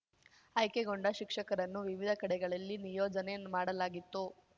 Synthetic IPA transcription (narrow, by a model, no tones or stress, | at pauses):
ɐjkeɡo̞ɳɖɐʃikʂɐkɐɾɐnːuʋiʋid̪ʱɐkɐɽɛɡɐɭɐlːinijoːd͡ʒɐnemaːɽɐlaːɡit̪ːu